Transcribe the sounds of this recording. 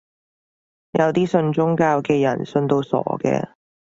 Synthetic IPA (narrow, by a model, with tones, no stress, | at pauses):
jʔɐ˨˧wt̪iː˥sɵ˧nt͡ʃʊ˥ŋkaː˧wkɛː˧jɐ˨˩nsɵ˧nt̪o˧wsɔ̰ː˨˩˥kɛ̰ː˧